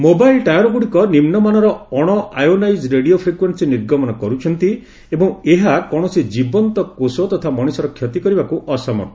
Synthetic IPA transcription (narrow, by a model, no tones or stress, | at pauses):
mobajlʈajɔɾɔɡuɽikɔnimnɔmanɔɾɔɔɽ̃ɔʔajonajd͡ʒɾeɽiopʰɾekwensiniɾɡɔmɔnɔkɔɾut͡ʃʰɔnt̪i | ebɔŋeɦakɔɽ̃ɔsid͡ʒibɔnt̪ɔkosot̪ɔt̪ʰamɔɽ̃isɔɾɔkʰjɔt̪ikɔɾibakuʔɔsɔmɔ̰nɔ